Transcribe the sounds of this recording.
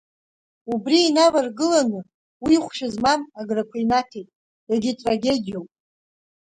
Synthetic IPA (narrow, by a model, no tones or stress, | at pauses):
ubriːnavarɡɨlanɨ | wiχʷʃᶣazmanaɡrakʷʰajnatʰejtʼ | daɡʲitʼraɡʲe̞dʲijowpʼ